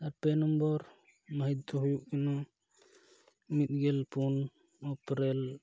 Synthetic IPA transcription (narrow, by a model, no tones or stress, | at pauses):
aɾpɛnɔmbɔɾ | maɦid̪̚t̪ɔɦujuʔkɛna | mit̪̚ɡɛlpun | ɔpɾɛl